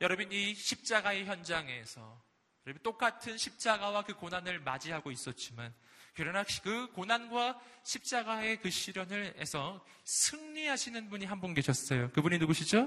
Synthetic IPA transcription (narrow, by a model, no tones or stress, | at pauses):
jʌɾʌbiniɕʰip̚t͡ɕ͈aɡae̞çjʌnd͡ʑaŋe̞sʰʌ̰ | jʌɾʌbint͈ok͈atʰɯnɕʰip̚t͡ɕ͈aɡawakɯkonanɯɭmad͡ʑiɦaɡois͈ʌt̚t͡ɕ͈imankɯɾʌnakɯkonanɡwaɕʰip̚t͡ɕ͈aɡae̞kɯɕ͈ʰiɾjʌnɯɭesʰʌ | sʰɯŋɲiɦaɕʰinɯnbuɲiɦambʌnke̞ɕʰʌs͈ʌjokɯbuɲinuɡoɕʰid͡ʑo